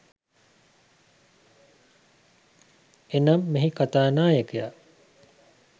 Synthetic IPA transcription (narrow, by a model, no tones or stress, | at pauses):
enamːeɦikat̪aːnaːjekeja̰